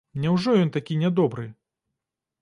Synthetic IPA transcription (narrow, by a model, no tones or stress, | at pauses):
mnʲɛwʐɔjɔnt̪akʲinʲɛd̪ɔbɾɨ